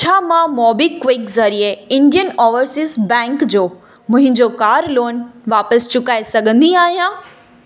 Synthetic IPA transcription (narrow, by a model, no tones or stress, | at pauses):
t͡ɕʰaːmãmɔːbikʋɪkzɐɾieɪ̃ɳɖijənɔːʋəɾsɪzbɛ̃ːŋkd͡ʑoː | mʊ̃ɦɪ̃ɲd͡ʑokaːɾloːnʋaːpəst͡ɕʊkaːesɐɠʱə̃nd̪iaːɦijã